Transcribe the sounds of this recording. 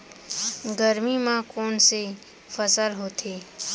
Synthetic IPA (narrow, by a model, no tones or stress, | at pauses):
ɡəɾmimãkɔːnse | fəsəlɦoːt̪ʰeː